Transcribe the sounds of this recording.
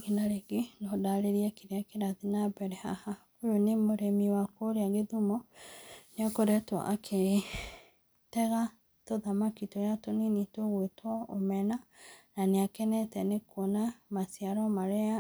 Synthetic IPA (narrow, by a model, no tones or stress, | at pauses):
ɣinaɾeɡenɔdaɾeɾiɛkeɾeakeɾaðinabɛɾɛha̰ha | ojonemoɾɛmiwakoɾeaɣeðumɔ | neɔkoɾɛtwa̰ʔakʰeɾe | tɛɣa | toðamakitɔjatoninitoɣwetwɔomɛnananeakɛnɛtɛnekwonamasiaɾɔmaɾɛa